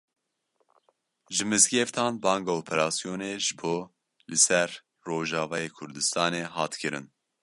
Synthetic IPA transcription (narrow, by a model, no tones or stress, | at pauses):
ʒɨmɨzɡeːft̪ʰɑːnbɑːŋɡɑːoːpʰɛɾɑːsijoːneːʒɨboː | lɨsɛɾː | oːʒɑːvɑːjeːkʰʊɾd̪ɨst̪ɑːneːɦɑːt̪kʰɨɾɨ̰n